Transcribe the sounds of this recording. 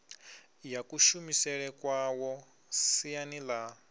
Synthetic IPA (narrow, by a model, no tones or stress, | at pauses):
jakuʃumisɛɺɛkwawɔ | sijanila